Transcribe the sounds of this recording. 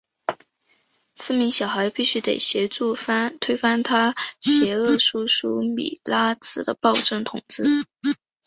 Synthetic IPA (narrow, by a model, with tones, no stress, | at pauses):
sɹ̩˥˩mi˧˥ŋɕjɑ˨˩ʊxa˧˥ɪpi˥˩ɕy˥t̪e˨˩ɪɕjɛ˧˥ʈ͡ʂu˥˧fa˥t̪ʰwe˥ɪfa˥nt̪ʰa˥ɕjɛ˧˥ɤ˥˩ʂu˥ʂu˥mḭ˨˩la˥t͡sɹ̩˥˩d̪ə˧pɑ˥˧ʊʈ͡ʂɤ˥˩ŋt̪ʰʊ˨˩ŋt͡sɹ̩˥˩